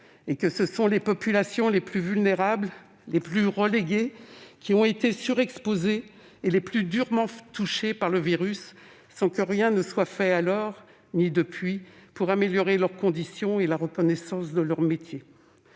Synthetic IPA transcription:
ekəsəsɔ̃lepɔpylasjɔ̃leplyvylneʁabl | leplyʁəleɡʲekʲʰiɔ̃et̪esyʁɛkspozeː | leplyd̪yʁmɑ̃t̪uʃepaʁləviʁysː | ɑ̃kəʁjɛ̃nəswafɛalɔʁ | nid̪əpɥipuʁameljɔʁelœʁkɔ̃d̪isjɔ̃elaʁəkɔnɛsɑ̃sd̪əlœʁmet̪je

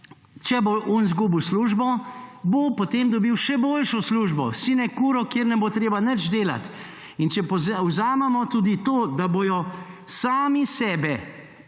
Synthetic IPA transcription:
t͡ʃɛboʔɔnzɡuːbiwsluːʒbɔbopɔt̪eːmd̪ɔbiwʃɛboːlʃɔsluːʒbɔ̰siːnɛkuːɾɔkjeːɾnɛbot̪ɾeːbanət͡ʃd̪eːla̰t̪ | int͡ʃɛpɔzwzaːmɛmɔt̪uːd̪it̪oːd̪aboːjɔ | saːmisɛːbɛ

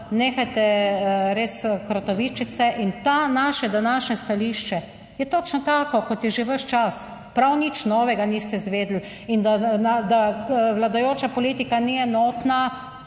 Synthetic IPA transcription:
neːxajt̪ɛɾeːskɾɔt̪ɔʋiːt͡ʃisɛʔint̪anaːʃɛd̪anaːʃnɛst̪aliːʃt͡ʃɛ | jɛt̪ot͡ʃnɔt̪aːkɔkɔt̪jɛʒeʋəʃt͡ʃas | pɾawnit͡ʃnɔːʋɛɡanist̪ɛzʋeːd̪l̩ | ind̪anad̪aʋlad̪ajoːt͡ʃapɔliːt̪ikaniɛnɔːt̪na

